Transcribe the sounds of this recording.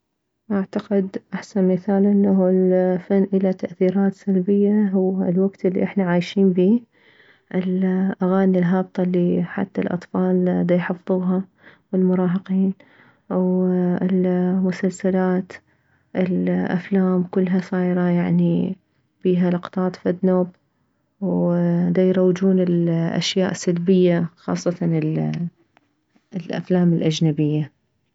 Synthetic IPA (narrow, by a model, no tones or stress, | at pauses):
ʔaʕt̪aqɪd̪ʔaħsanmɪθaːlʔɪnːaɦulfanːʔɪlat̪aʔθiːɾaːt̪salbɪjːaɦʊwːlwaɡt̪ɪlːḭʔɪħnaʕaːjʃiːnbiː | ʔɪlʔaɣaːnilɦɑːb̚t̪ˤɑlːiħa̰t̪ːalʔɑ̰t̪ˤfɑːld̪ajħɑfðˤuːɦɑ | wɪlmʊɾˤɑːɦɑqiːn | ʔawɪlmʊsalsalaːt̪ | ʔɪlʔa̰flaːmkʊlːɦasˤɑːjɾˤɑjaʕni | fiːɦalɑqt̪ˤɑːt̪ˤfad̪noːb | wd̪ajɾˤɑwd͡ʒuːnɪlʔa̰ʃja̰ːʔsalbɪjːaxɑ̰ːsˤːɑt̪ɑnɪl | lʔa̰flaːmɪlʔad͡ʒnabɪjːa